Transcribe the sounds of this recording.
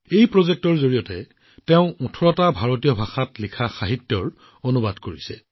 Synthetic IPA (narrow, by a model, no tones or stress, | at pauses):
ejpɹozek̚tɔɹzoɹijɔtɛ | teʊ̃ɔtʰɔɹɔtabʱaɹotijɔbʱaxatlikʰaxaɦitjɔɹ | onubadkoɹisɛ